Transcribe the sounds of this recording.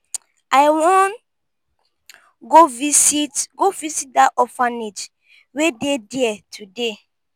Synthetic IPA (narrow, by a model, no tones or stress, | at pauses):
aɪwɔ̃n | ɡovisitɡovisit̚daʔɔfaned͡ʒ | wedediɛtʰude